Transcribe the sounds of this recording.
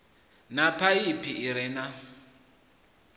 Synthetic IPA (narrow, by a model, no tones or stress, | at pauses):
napʰaipʰiʔːɾɛna